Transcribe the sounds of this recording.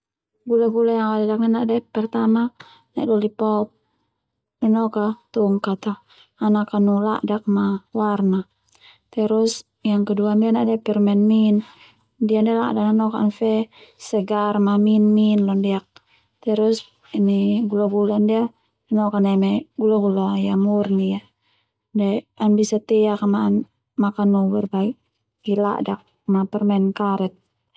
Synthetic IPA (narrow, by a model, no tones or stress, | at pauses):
ɡulaɡulajaŋwadadak̚ninaʔdɛpɛrt̪ama | na̰ʔdɔlipaɔp̚ | nɛnɔkat̪uŋkat̪aː | nakanula̰ʔdak̚mawarna | t̪ɛɾus | jaŋkɛduandianaʔdɛpirmɛnmin | diandialadananɔkanfɛsəɡarmaminminlɔndiak̚ | t̪ɛɾus | iniɡulaɡulandia | nɔkanɛmɛɡulaɡulajamurnia | daanbisat̪ɛakamaːn | makanubɛrbaik̚ | ila̰ʔdak̚ | mapɛrmɛnkaɾɛt̪̚